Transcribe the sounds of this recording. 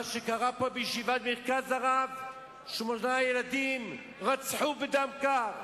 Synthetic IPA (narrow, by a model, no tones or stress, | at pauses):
aʃekaʁapobejʃivad̪̚meʁkazaʁav | ʃmonajelad̪im | ʁat͡sħubed̪amka